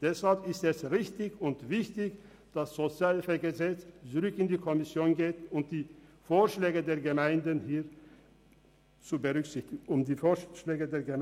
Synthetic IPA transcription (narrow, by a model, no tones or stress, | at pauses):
d̥ɛshalpɪstɛsʁɪçtɪçʊntv̥ɪçtɪç | d̥asz̥ot͡sjaːlfɛɐɡəzɛt͡st͡sʊʁʏkɪndiːkʰɔmɪsjoːnɡeːtʊmd̥iːfoːɐʃlɛːɡədeːɐɡəmaɪndənhiːɐ | t͡subəʁʏkz̥ɪçtɪɡ̩ʊmdiːfoːɐʃlɛːɡədeːɐɡə